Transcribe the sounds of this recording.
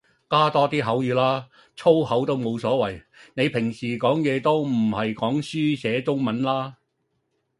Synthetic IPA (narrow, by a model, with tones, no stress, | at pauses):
kaː˥t̪ɔː˥t̪iː˥ɦɐ˨˥wjyː˨˧laː˥ | t͡sʰo˥whɐ˨˥wt̪o˥wmo˨˧wsɔː˨˥wɐ˨˩j | ne˨˧jpʰɪ˨˩ŋsiː˨˩kɔː˨˥ŋjɛː˨˧t̪o˥wm̩˨˩hɐ˨jkɔː˨˥ŋsyː˥sɛː˨˧˥t͡sʊ˥ŋmɐ˨˥nlaː˥